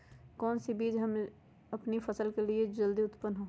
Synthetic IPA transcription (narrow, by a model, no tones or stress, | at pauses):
kɔːnsibiːd͡ʒɦəm | ɐpnipʰəsəlkelied͡ʒəld̪iʊt̪pənɦoː